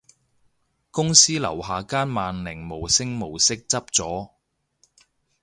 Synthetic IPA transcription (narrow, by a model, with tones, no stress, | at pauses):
kʊ˥ŋsiː˥lɐ̰˨˩whaː˨kaː˥nmaː˨nlɪ˨˩ŋmo˨˩wsɪ˥ŋmo˨˩wsɪ˥k̚t͡sɐ˥p̚t͡sɔː˨˥